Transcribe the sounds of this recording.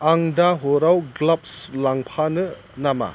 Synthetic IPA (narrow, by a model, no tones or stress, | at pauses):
aŋdaɦoɾawɡlap̚slaŋpʰanɯ | nama̰